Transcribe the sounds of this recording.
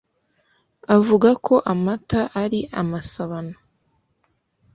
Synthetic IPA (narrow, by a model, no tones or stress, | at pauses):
avuɡakʰo̞ʔamataʔaɾiʔamasaβana